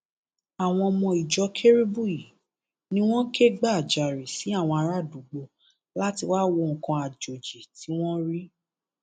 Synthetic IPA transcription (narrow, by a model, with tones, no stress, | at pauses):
a˨w̃ɔ̃˧mɔ̃˧i˨d͡ʒɔ˧kʰe˦ɾi˦bu˦˨i˨ | nĩ˦w̃ɔ̃˦ke˦ɡ͡ba˦˨d͡ʒa˨ɾi˨si˨˦a˦˨w̃ɔ̃˧a˧ɾa˦˨du˨ɡ͡bo˧ | la˦ti˧wa˦wo˧ŋ̩˨kã˧a˨d͡ʒo˨d͡ʒe˨ti˨˦w̃ɔ̃˦ɾi˦